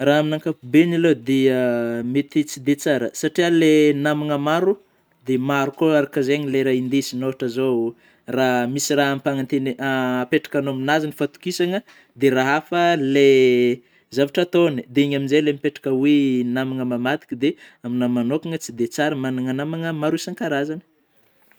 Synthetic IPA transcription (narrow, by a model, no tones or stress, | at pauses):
raɦaminaŋkapubenaled̪eəmet̪it͡sid̪et͡saɾəsaʈ͡ʂialenamaŋəmaɾu | d̪emaɾukoaɾakazeɲleɾaind̪esinovaʈ͡ʂazow | raɦmisiraɦampaŋant̪eniapeʈ͡ʂḁkanoaminazinifat̪u̥kisaŋə | d̪eɾaɦafəle | zavaʈ͡ʂat̪onid̪eɲaminzelemipeʈ͡ʂḁkəwenamaŋəmamad̪i̥kʲid̪e | aminamanokaŋət͡sid̪et͡saɾəmanaŋanamaŋəmaɾuesaŋkaɾazanə̥